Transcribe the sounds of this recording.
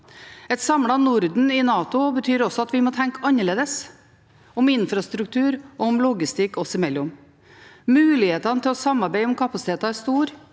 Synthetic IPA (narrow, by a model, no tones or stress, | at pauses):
ɛt̪sɑmɽɑnʊɾd̪n̩ɪnɑːt̪ʊbət̪ʰyːɾɔsɔɑt̪ʋɪmoːt̪ʰɛŋkɑnːəɭeːd̪əs | ʊmɪnfɾɑst̪ɾʉk̚t̪ʰʉːɾɔʊmlʊɡɪst̪ɪkːɔsɪmɛlːʊm | mʉːlɪheːt̪ɑnət̪ʰɪlɔsɑmːɑɾbeɪɔmkʰɑpɑsɪt̪ʰeːt̪ɑæst̪uːɾ